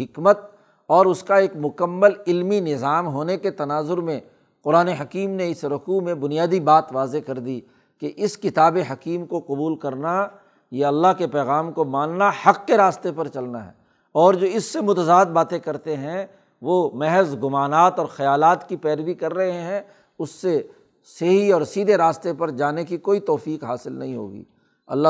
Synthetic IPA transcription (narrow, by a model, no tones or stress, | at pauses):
ɦɪkmət̪̚ | ɔːɾʊskaeːkmʊkəmːəlɪlminɪzaːmɦoːneket̪ɐnaːzʊɾmẽ | qʊɾaːneɦɐkiːmneɪsɾʊkumẽbʊnijaːd̪ibaːt̪ʋaːzekɐɾd̪i | keʔɪskɪt̪aːbeɦɐkiːmkoqʊbuːlkɐɾna | jeɐlːaɦkepɛːɣaːmkomãːnnahɐqːeɾaːst̪epɐɾt͡ʃɐlnaɦɛ̰ | ɔːɾd͡ʒoːɪsːemʊt̪əzaːd̪̚baːt̪ẽkɐɾt̪eɦɛ̃ | ʋomɛɦɛzɡʊmaːnaːt̪ɔːɾxɐjaːlaːt̪kipɛːɾʋikɐɾːɐɦeɦɛ̃ | ʊsːe | seɦiɔːɾsiːd̪ʱeɾaːst̪epɐɾd͡ʒaːnekikoːit̪ɔːfiːqɦaːsɪlnɐ̰ɦĩɦo̰ːɡḭː | ɐ̰lːa